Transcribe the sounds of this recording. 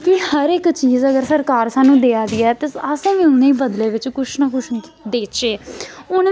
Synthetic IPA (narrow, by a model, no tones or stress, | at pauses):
kiːhəɾɪkt͡ʃiːzəɡəɾsəɾkaːɾsaːnũːd̪eːaːd̪iːɛːt̪eəsãːʋĩːʊnẽːbəd̪leːʋɪt͡ʃkʊʃnaːkʊʃd̪eːt͡ʃeːʊn